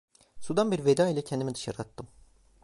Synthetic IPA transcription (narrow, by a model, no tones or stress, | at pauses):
sud̪anbiɾved̪aːilʲɛcʰɛnd̪imid̪ɯʃaɾɯat̪ːɯm